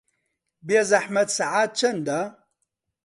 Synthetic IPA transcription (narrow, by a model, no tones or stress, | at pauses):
biazaħmɐd̪saʕaːt̪̚t͡ʃʰɐnd̪a